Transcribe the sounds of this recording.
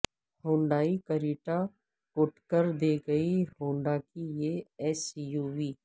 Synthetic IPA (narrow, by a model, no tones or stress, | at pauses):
hõːɳɖaːikəɾiːʈa | kʊʈkəɾd̪eːɡəihõːɳɖakijeɛːsijuːʋiː